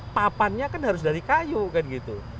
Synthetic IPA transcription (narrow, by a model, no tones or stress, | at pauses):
papanɲakanɦaɾʊsdaɾikajukanɡit̪u